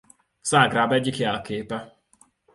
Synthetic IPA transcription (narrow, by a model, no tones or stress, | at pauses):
z̥aːɡraːbɛɟːikjɛlkeːpɛ